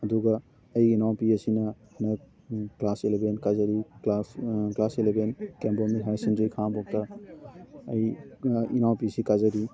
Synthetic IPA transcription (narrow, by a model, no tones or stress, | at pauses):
ɐduɡɐː | jinawpiɐsinɐhnɐ | klaselebʱenkazɐɾilaklaselebʱenkembɔmiɦajsendɾikʰambɔk̚tɐ | ɐjinawpisikazɐɾi